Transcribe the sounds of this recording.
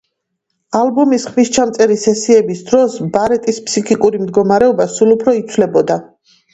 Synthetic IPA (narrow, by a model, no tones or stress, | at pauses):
albɔmisχmist͡ʃʰamt̪sʼɛɾisɛsiɛbisd̪ɾɔsbaɾɛt̪ʼispʰsikʰikʼuɾimd̪ɡɔmaɾɛɔbasulˠupʰɾɔit̪sʰvlɛbɔd̪a